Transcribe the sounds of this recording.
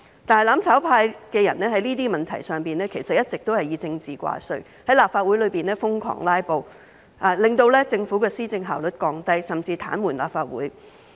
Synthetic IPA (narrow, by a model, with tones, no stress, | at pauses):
t̪aː˨nɦjlaː˨˥mt͡sʰaː˨˥wpʰaː˧jkɛː˧jɐ˨˩nnɛː˥ɦɐ˨˥jniː˥t̪iː˥mɐ˨nt̪ʰɐ̰˨˩jsœː˨ŋpiː˨˩nlɛː˥kʰe˨˩jsɐ˨t̚jɐ˥t̚t͡sɪ˨k̚t̪o˥whɐ˨jiː˨˧t͡sɪ˧ŋt͡siː˨kʷa̰ː˧sɵ̰˨˧ɥ | hɐ˨˥jlaː˨p̚faː˧t̚wu˨˥jlɵ˨˧piː˨˩nlɛː˥fʊ˥ŋkʰɔ̰ː˨˩ŋlaː˥jpo˧w | ʔaː˨lɪ˨ŋt̪o˧wlɛː˥t͡sɪ˧ŋfu˨˥kɛː˧siː˥t͡sɪ˧ŋɦaː˨˩wlɵ˨t̚kɔː˧ŋt̪ɐ˥jsɐ˨˩mt͡siː˧t̪ʰa̰ː˨˥nwuː˨˩nla̰ː˨˩pfaː˧˩t̚wṵː˨˥j